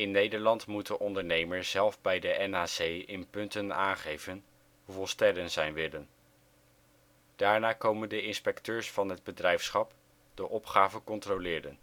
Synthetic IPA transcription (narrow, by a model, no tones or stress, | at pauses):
ɪnːejdəɹlɑntmutdəʔɔndəɹnejməɹszɛlˠvbɛjdəʔɛnaːsejɪnpɵntənaːnχejvən | ɦuvɔlˠstɛɾənzɛjnʋɪlən | d̥aːɹnaːkowməndəɪnspɛktøːɹsfɑnɦəd̚bədrɛjfsχɑp | d̥əʔɔpχaːvəkɔntrolɪːɾən